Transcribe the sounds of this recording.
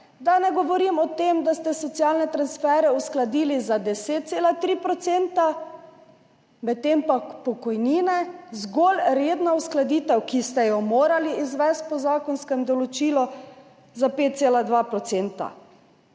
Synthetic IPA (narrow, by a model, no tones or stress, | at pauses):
d̪anɛɡɔʋɔɾimɔt̪eːmd̪ast̪ɛsɔt̪sjalnɛt̪ɾansfɛːɾɛusklad̪iːlizad̪ɛseːt̪̚t̪seːlat̪ɾiːpɾɔt̪seːnt̪a | mɛt̪ːempakpɔkɔjniːnɛzɡoːlɾeːd̪nausklad̪iːt̪ɛwkist̪ɛjɔmoːɾaliizʋɛst̪̚pɔzaːkɔnskɛmd̪ɔlɔt͡ʃiːlɔ | zapeːt̪̚t̪selad̪ʋapɾɔt̪seːnt̪a̰